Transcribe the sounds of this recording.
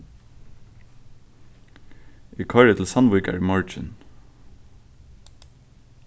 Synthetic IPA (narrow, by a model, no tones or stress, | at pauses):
iːkʰɔɹət̪ʰl̩sɑnwɪːkə̰ɹiːmɑɹt͡ʃɪ̰n